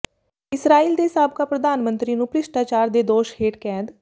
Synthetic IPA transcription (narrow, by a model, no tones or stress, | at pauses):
ɪsɾaːiːld̪eːsaːb̚kaːpɾəd̪aːnmə̃nt̪ɾiːnũːpɾɪʃʈaːt͡ʃaːɾd̪eːd̪oːʃheːʈkɛ̃ːd̪